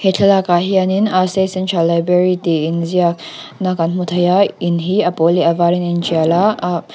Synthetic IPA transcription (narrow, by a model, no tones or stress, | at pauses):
hetʰɐlakaɦianinasesənt͡ʃʰalajbɾeɾit̪einzijak | nakanmut̪ʰɐjainɦiɐpoliɐvaːɾinent͡ʃiala